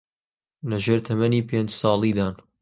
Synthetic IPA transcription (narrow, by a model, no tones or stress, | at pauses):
lɐʒeːɾt̪ʰɐmɐniːpʰeːnd͡ʒsɑːlˠiːd̪aːn